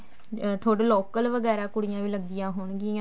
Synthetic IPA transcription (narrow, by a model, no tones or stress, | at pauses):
t̪ʰoːɽeːloːkəlʋəɡɛːɾaːkʊɽɪjãːʋiːləɡ̚d̪ɪjãːɦoːɳɡɪã